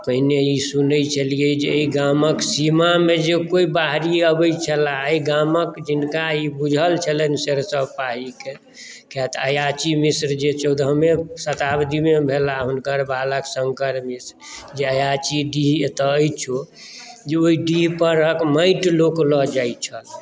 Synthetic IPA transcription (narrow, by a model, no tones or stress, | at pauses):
pəɦinejisunəjt͡ʃʰəlijəd͡ʒeiɡaməksimamed͡ʒekoibaɦɾiəbəjt͡ʃʰəlaəjɡaməkd͡ʒinkaibud͡ʒʱəlt͡ʃʰələnseɾsəbpaɦike | kɛt̪əjat͡ʃimisɾd͡ʒet͡ʃʰəd̪ʱɦəmesət̪abd̪imebʱelaɦunkəɾbaləksəŋkəɾmisɾd͡ʒeəjat͡ʃiɖiɦet̪əəjt͡ʃʰo | d͡ʒeoiɖiɦpəɾəkməɪʈloklɔd͡ʒajt͡ʃʰəl